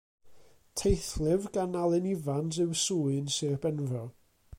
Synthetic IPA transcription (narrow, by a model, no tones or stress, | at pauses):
tʰejθlˠɪvɡanalˠɨnivanzɨwsuːɨnsɪrb̥ɛnvɔ